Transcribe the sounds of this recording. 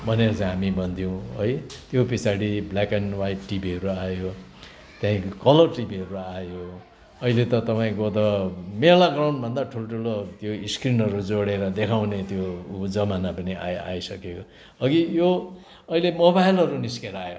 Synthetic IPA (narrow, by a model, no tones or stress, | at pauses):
bʱʌneɾʌt͡sãɦamibʱʌnt̪ʰijõw̃ojt̪jopisaɽiblakenwajpʈibiɦʌɾuajo | t̪jãĩkkʌlʌrʈibiɦʌɾuajo | ʌilet̪ʌt̪ʌpaĩkot̪ʌmelaɡraw̃ɳɖbʱʌnd̪aʈʰuloʈʰulot̪joiskrinʌɾud͡zoɽeɾʌd̪ekʰawnet̪jod͡zʌmanapʌnia̰a̰jsʌkeo | ʌɡijo | ʌilemobajlɦʌɾuniskeɾajo